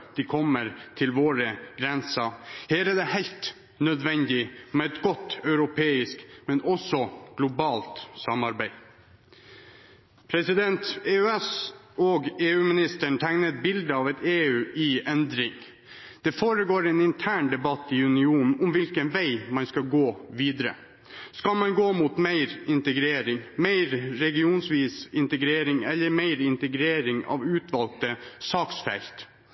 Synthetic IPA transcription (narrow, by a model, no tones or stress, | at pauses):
d̪̥ɪkʰɔmːəɾt̪ʰɪlʋoːɾəɡ̥ɾɛnsɑheːɾɛɖ̪ɛhæɪlt̪ | nœd̪ʋɛnd̪ɪmɛɛt̪ɡɔt̪ːœʉɾʊpʰeːɪskmɛnʔɔsɔɡ̥lʊbɑːlt̪sɑmɑɾbæɪ | pʰɾɛsɪd̪ɛnt̪eːøɛs | ɔɡeːʉːmɪnɪst̪əɳt̪ʰæŋnət̪̚bɪld̪əɑːʋɛt̪eːʉːʔɪɛnd̪ɾɪŋ | d̪̥ɛfoːɾəɡoːɾɛːnɪnt̪ʰæːɳd̪ɛbɑt̪ːɪʉnɪuːnn̩ʊmʋɪlkənʋæɪmɑnskɑlɡoːʋiːd̪ɾə̰ | skɑlmɑnɡoːmuːt̪meɪɾɪnt̪əɡɾeːɾɪŋmeɪɾɾɛɡɪuːnsʋiːsɪnt̪əɡɾeːɾɪŋɛlːəɾmeɪɾɪnt̪əɡɾeːɾɪŋɑ̰ːʋʉːt̪ʋɑlk̚t̪əsɑːksfɛ̰lt̪